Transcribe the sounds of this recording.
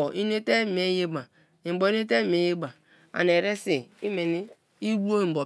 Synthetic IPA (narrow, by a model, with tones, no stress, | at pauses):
i˦ne˦te˦˨m˨e˦je˦ba˨ | i˨˦bo˨i˦ne˦te˦˨m˨e˦je˦ba˨ | a̰˨n˨e˨ɾe˦si˨i˦me˨ni˦ | i˦wu˦o˦i˨m˨bɔ˨